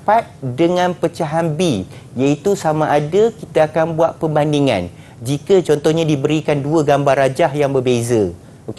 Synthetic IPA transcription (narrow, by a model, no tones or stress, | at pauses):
pat̪̚dəŋãnpət͡ʃaɦanbi | jait̪usamãʔadakit̪aːkanbuat̪̚pəmbandiŋã̰n | d͡ʒikət͡ʃɔnt̪ɔhɲãdibəɾikanduəɡambarad͡ʒahjaŋbərbezə | ok